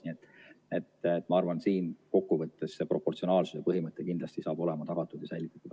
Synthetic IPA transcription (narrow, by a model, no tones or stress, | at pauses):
niet̪ːˑ | e̞t̪t̪ːˑmɑɑrvɑnsiːnko̞kːuvɤt̪ːˑe̞sːe̞pro̞pːo̞rt̪sio̞nɑːlsusepɤɦimɤt̪ːˑekind̪lɑst̪isɑːb̥o̞le̞mɑt̪ɑɡ̥ɑt̪ːˑud̪̥jɑsæjlʲit̪ːˑɑ̥t̪ːˑud̪